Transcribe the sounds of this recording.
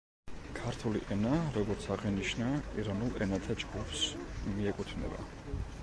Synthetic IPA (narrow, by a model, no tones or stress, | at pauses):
kʰaɾt̪ʰulḭʔɛnaɾɔɡɔɾt̪sʰaʁɛniʃnaiɾanulˠɛnat̪ʰad͡ʒɡupʰsmiɛkʼut̪ʰnɛ̰ba̰